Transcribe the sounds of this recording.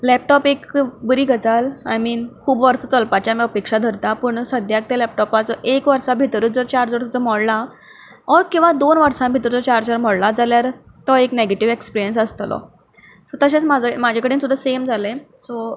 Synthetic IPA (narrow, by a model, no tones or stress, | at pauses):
lɛp̚ʈɔpekbəɾiːɡət͡sala̰jmiːnkʰuːbʋəɾt͡sət͡səlpat͡ɕjamiəpekʂad̪ʱəɾt̪apəɳsəd̪ʱjak̚t̪elɛp̚ʈɔpat͡sɔʔekʋəɾsabʱit̪ɾəːt͡sd͡zəɾt͡ɕaɾd͡zəɾt̪ut͡səmɔɽla | ɔɾkĩw̃ʋad̪onʋəɾʂãmbʱit̪ɾəd͡zɔt͡ɕaɾd͡zəɾmɔɽlad͡zaljaɾ | t̪ɔekneɡeʈiʋekspiɾijənsəst̪lɔ̰ | sɔt̪əɕẽt͡smad͡zʱəmad͡ʑʱakəɽiːnsud̪ʱːasemd͡zalẽso